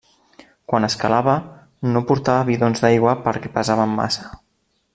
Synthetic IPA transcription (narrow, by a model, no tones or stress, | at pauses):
kwanəskalaβə | nopuɾt̪aβəβiðonzðajɣwapəɾkɛpazaβəmːa̰sḁ